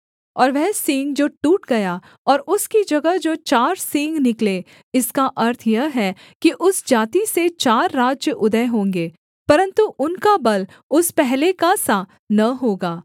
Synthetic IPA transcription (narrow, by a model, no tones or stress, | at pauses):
ɔːɾʋɛɦsĩːŋɡd͡ʒoːʈuːʈɡɐja | ɔːɾʊskid͡ʒɐɡəɦd͡ʒoːt͡ʃaːɾsĩːŋɡnɪkle | ɪskaʔɐɾt̪ʰjɐɦɛ | kiʔʊsd͡ʒaːt̪iset͡ʃaːɾːaːd͡ʒjəʔʊd̪əɦõːŋɡeː | pɐɾə̃nt̪uʔʊnkabɐl | ʊspɛɦlekasa | nɐɦoːɡaː